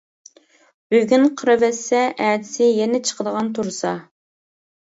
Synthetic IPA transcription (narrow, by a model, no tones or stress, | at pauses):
b̥øɡʲynqʰəɾɨvɛsːɛʔɛːd̪ɪsɪjɛnɪt͡ʃʰə̥qəd̪əʁɑnt̪ʰuɾsɑ̰